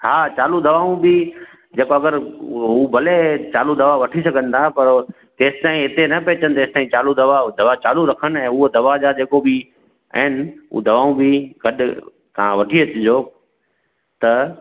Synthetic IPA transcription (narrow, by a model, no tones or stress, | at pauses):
haːt͡ɕaːlud̪ɐʋaːũbɪ | d͡ʑeːkoɐɡəɾɦuːbʱɐlet͡ɕaːlud̪ɐʋaʋɐʈʰisɐɡʱə̃n̆t̪ʰapɐɾ | t̪eːsɪ̥t̪aːĩɦɪt̪enɐpeːt͡ɕənɪ̆t̪ɐeːst̪aːĩt͡ɕaːlud̪ɐʋad̪ɐʋat͡ɕaːluɾɐkʰən̆ɛ̃ːʊɦod̪ɐʋad͡ʑaːd͡ʑeːkobɪ | ɐ̰ɦɪnɪ̆ṵd̪ɐʋaːũbɪɡɐɗ | t̪ɐ̤ãʋɐʈʰiɐt͡ɕɪd͡ʑoː | t̪ɐ